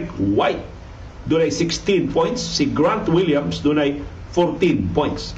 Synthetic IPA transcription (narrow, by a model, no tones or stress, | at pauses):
kwajt̪̚ | d̪unajsɪkst̪ĩnpɔ̃j̃ntsːiɡɾãnt̪wiljãmsd̪unaj | fɔrt̪ĩnpɔ̃j̃nts